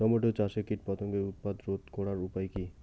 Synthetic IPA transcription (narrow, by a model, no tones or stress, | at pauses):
ɔmoʈot͡ɕaʃekiʈ̚pɔt̪oŋɡeut̪̚pad̪ɾot̪kɔɽaɾupajki